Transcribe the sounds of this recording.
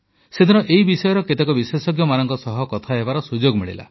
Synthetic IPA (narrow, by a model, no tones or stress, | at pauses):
sed̪ʱinɔʔeɦibisɔjɔɾɔket̪ekɔbisesɔɡjɔmanɔŋkɔsɔɦɔkɔt̪ʰaɦebaɾɔsud͡ʒoɡmiɭḭla̰